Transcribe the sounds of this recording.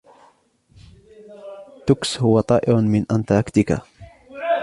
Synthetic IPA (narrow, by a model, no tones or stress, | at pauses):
t̪ʊkshʊwat̪ˤɑːʔɪɾmɪnʔant̪ɑˤkt̪ɪka̰